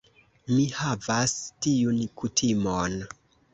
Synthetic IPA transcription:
mihavastijunkutʰimon

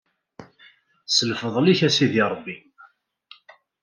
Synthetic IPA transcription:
səlfəðˤliçæsiðiɾˤəbːi

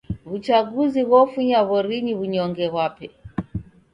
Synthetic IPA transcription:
βut͡ʃaɡuziβɔfuɲaβɔɾiɲiβuɲɔŋɡɛβwapɛ

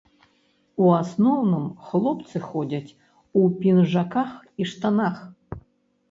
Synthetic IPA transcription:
uasnownɨmxlˠɔpt̪sɨxodʲatʲ | upʲinʐakaxiʂt̪anax

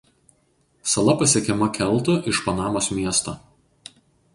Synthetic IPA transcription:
sɐlˠɐpɐsʲiɛkʲɛmɐkʲɛlˠˑt̪ʊʔɪʃpɐnɑːmoːsmʲiɛst̪ɐ

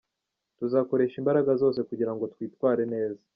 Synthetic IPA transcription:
tuzaːko̞ɾe̞ːʃimbaɾaɡazo̞ːs̬e̞kuɟiɾaŋɡo̞twiːtwaːɾe̞ne̞ːza

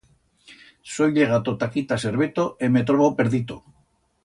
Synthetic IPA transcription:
sojʎeɣ̞at̪ot̪akit̪aseɾβet̪oemet̪ɾoβopeɾðit̪o

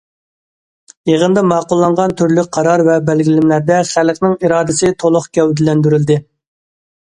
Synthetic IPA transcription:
jeʁənd̪ɑmɑːqʊlˠːɑɴʁɑnt̪ʰyɾlyk̚ʲqʰɑɾɑɾvɛbɛlɡʲilɪmlæɾd̪ɛχælqnɪŋiɾɑːd̪ɪsɪt̪ʰolˠʊχkʲɛwd̪ɪlɛnd̪yɾyld̪ɪ

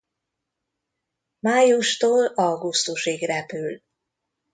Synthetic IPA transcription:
maːjuʃt̪oːlɒɡust̪uʃiɡrɛpyl

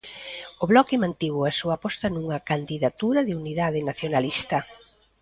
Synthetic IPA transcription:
ʊβlɔkɪmãnt̪iβoɐsuɐpɔst̪ɐnuŋɐkand̪iðat̪uɾɐðɪuniðaðɪnaθjonalist̪ɐ

